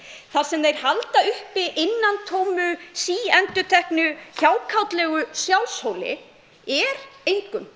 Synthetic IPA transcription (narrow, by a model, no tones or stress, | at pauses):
θaɾ̥sɛmðejɾ̥halt̪aʏhpɪʔɪnːant̪ʰoːwmʏsiːɛnt̪ʏt̪ʰɛhknʏçawkʰawt̪lɛːɣʏsjawlshowlɪ̰ | ɛɾejŋkʏn